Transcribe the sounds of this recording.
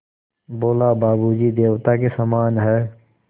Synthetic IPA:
boːlabaːbud͡ʒiːd̪eːʋt̪akesəmaːnɦɛː

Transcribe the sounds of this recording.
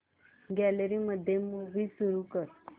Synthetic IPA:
ɡæləɾiməd̪ʱːjemuʋiːsuɾukəɾ

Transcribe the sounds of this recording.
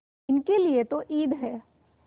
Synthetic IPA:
ɪnkeliet̪oʔiːd̪ɦɛː

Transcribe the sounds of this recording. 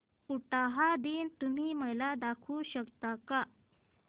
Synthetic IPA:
uʈaɦad̪iːnt̪um̤iːməlad̪akʰuɕəkt̪aka

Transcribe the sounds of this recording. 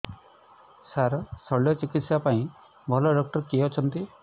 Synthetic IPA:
saɾsɔɭjɔt͡ʃikit̪sapaĩ | bʱɔlɔɖɔk̚ʈɔɾkiɔt͡ʃʰɔnt̪i

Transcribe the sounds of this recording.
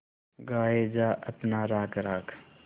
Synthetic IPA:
ɡaːed͡ʒaːʔɐpnaɾaːkɾaːkʰ

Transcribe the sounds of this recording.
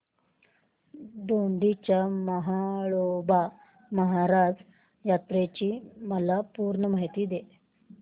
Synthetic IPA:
d̪oɳɖit͡ɕjaməɦaɭoba | məɦaɾad͡z | jat̪ɾet͡ɕiːməlapuːɾɳəmaɦjt̪iːd̪e

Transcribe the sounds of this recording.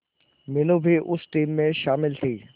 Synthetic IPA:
minubʱiʔusʈimːeʃaːmilt̪ʰi

